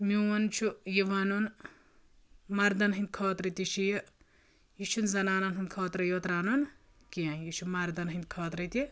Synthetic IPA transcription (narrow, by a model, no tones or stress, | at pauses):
miwɐnt͡ʃʰujiʋanun | mɐɾd̪ɐnɦind̪̚kʰoːt̪ɾɐt̪iʃijɐ | iʃʰunzɐnaːnɐnɦunʲkʰoːt̪ɾɐjoːt̪ɾaːnon | kianjit͡ʃʰumɐɾd̪ɐnɦind̪̚kʰoːt̪ɾɐt̪i